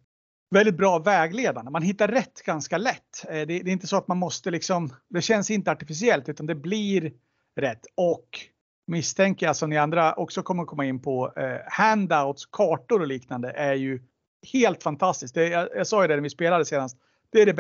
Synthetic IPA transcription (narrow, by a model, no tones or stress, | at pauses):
vɛld̪ɪt̪̚bɾɑːvɛːɡleːd̪and̪əmanɦɪt̪ːaɾɾɛt̪ːɡ̥anskalɛt̪ːd̪ɛd̪ɛɪnt̪əsɔat̪manmɔst̪əlɪksɔmd̪ɛɕɛnsɪnt̪əaʈɪfɪs̬ɪɛlt̪ʉ̟ːt̪and̪ɛbliɾ | ɾɛt̪ːɔk | mɪst̪ʰɛŋkəjasɔmd̪ɛand̪ɾaɔ̰ksɔkʰɔmːəɾɔkʰɔmːaɪnːpʰɔhænd̪aʊt̪skʰɑːʈʊɾɔliːknand̪əʔæɾjɵ | heːlt̪fant̪ʰast̪ɪsk̚d̪ɛjajasɑːɡjəd̪ɛnæɾvɪspeːlad̪əseːnast̪ | d̪̥ɛæɖɛb